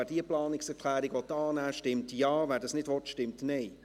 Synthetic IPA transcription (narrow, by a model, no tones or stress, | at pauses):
æːd̥iəplɑːnɪksɛɾkʰl̥æːɾiɡʋɔt̪ːɑːnæːʃtɪmtjɑːvæːɾdɑsnɪdʋɔtʃtɪmtneɪ